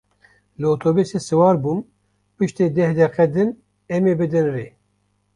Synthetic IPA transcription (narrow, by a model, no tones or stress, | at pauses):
lɨot̪ʰobisesɨwɑːɾbuːn | pɨʃt̪eːd̪ɛhd̪ɛqɛd̪ɨn | ɛmeːbɨd̪ɨnreː